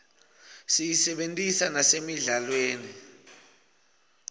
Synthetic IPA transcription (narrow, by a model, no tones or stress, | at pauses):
sijisɛɓentʼisanasemiɮalweːni